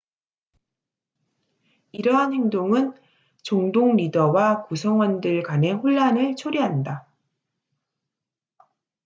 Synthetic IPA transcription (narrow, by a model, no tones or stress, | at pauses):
iɾʌɦanhe̞ŋdoŋɯn | t͡ɕoŋdoŋɾidʌwakusʰʌŋwʌndɯɭkane̞ɸoɭːanɯɭt͡ɕʰoɾiɦanda